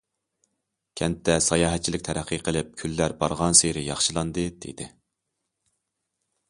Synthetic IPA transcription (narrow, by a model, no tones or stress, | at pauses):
kʲʰɛnt̪ʰːɛsɑjɑːɦɛt̪̚t͡ʃʰilɪk̚ʲt̪ʰɛɾæqʰːəqʰəlˠɪp̚kʲʰylːæɾbɑ̰ɾʁɑnseɾɪjɑχʃɨlˠɑnd̪ɨd̪̥ḛd̪ɪ